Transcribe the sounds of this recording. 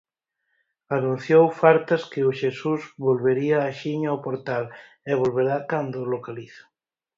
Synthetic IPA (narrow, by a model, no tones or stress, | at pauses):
anũn̟θjowfaɾt̪askeoʃesuzβolβeɾiaːʃiɲaopoɾt̪al | eβ̞olβeɾakand̪olokaliθḁ